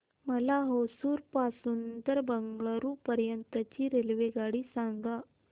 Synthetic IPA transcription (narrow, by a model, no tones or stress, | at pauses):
məlaɦosuːɾpasunt̪əɾbəŋɡɭəɾuːpəɾjənt̪ət͡ɕiːɾelʋeɡaɽiːsaŋɡa